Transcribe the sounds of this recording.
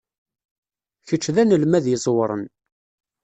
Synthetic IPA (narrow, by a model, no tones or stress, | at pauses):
çət͡ʃːðænəlmæðjəzˤwɾˤə̰n